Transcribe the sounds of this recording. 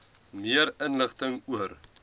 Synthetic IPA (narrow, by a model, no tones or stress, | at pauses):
miəɾənləχt̪əŋuəɾ